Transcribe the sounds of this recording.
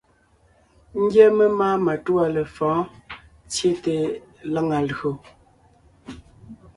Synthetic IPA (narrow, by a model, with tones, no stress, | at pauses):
ŋ̩˦ɡjɛ˦mə˦maː˦ma˨tu˦a˨lə˨fɔ̃ː˨˦ | t͡sje˦te˨la˦ŋa˨lɣo˨